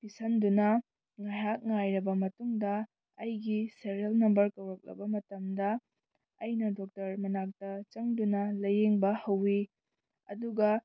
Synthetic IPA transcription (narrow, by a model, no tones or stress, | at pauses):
pisɐndunɐ | ŋajak̚ŋajɾɐbɐmɐtuŋdɐː | jɡiseɾiɐlnɐmbɐɾkɐwɾɐk̚lɐ̰bɐmɐtɐmdɐː | jnɐdok̚tɐɾmɐnak̚tɐt͡ʃɐŋdunɐlɐjeŋbɐhɐwːi | ɐ̰duɡɐ